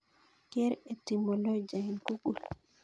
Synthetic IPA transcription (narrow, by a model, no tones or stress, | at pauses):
kɛɾɛtimɔlɔd͡ʒainkuɡul